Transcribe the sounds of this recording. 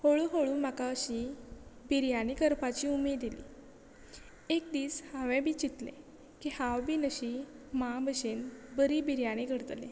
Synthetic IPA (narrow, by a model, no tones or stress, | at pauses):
hoɭuɦoɭuːm̤akaəɕibʱiɾjaɽ̃ikəɾpat͡ɕiumed̪elḭː | ek̚d̪iːshãʋẽbʱiːt͡ɕit̪lḛ̃ | kihãwbʱiːnəɕimãbʱəɕenbəɾiːbiɾjaɽ̃iɡʱəɽt̪lḛ̃